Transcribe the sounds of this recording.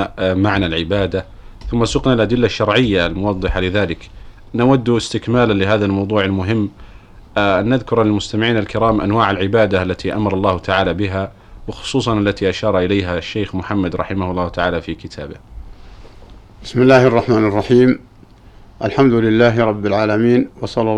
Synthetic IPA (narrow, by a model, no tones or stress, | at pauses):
maʕnalʕɪbaːd̪a | θʊmːasʊqnalʔad̪ɪlːaʃːɑɾˤʕɪjːalmʊwɑðˤːɨħalɪðaːlɪk | nawad̪ːɪst̪ɪkmaːlanlɪɦaːðalmɑwðˤuːʕalmʊɦɪmː | ʔanːaðkʊɾalɪlmʊst̪amɪʕiːnalkɪɾaːmʔanwaːʕalʕɪbaːd̪aʔalːat̪ʰiʔa̰mɑɾˤɑlˤːɑːhʊt̪ʰaʕaːlabɪɦa | wɪxʊ̥sˤuːsˤɑnʔalːat̪iʔaʃɑːɾˤɑʔɪlajɦaʃːeːxmʊħamːad̪ɾˤɑħɪmahʊlˤːɑːht̪aʕaːlafikɪt̪ʰa̰ːbɪh | bɪsmɪlːaːhɑrˤːɑħmaːnɑrˤːɑħiːm | ʔalħamd̪ʊlɪlːaːɦɾˤɑbːɪlʕaːlamiːnwɑsˤɑlːɑ